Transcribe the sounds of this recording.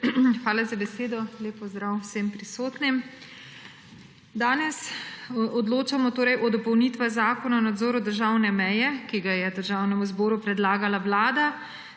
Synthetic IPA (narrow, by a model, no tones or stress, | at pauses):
xʋaːlazabɛseːd̪ɔleːpɔzd̪ɾawsempɾisoːt̪nim | d̪aːnɛs | ɔd̪loːt͡ʃamɔt̪oːɾɛjʔɔd̪ɔpɔwnit̪ʋazaːkɔnaɔnad̪zɔːɾɔd̪əɾʒaːwnɛmɛjɛkiɡajɛd̪əɾʒaːwnɛmuzbɔːɾupɾɛd̪laːɡalaʋlaːd̪a